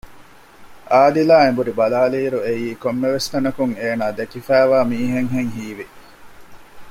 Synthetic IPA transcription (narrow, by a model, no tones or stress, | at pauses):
ʔaːd̪ilaːembuɾibɐlaːliːɾuejiːkomːeʋest̪ɐnɐkuŋeːnaːd̪ekifæːʋaːmiːɦeŋɦeŋɦiːʋi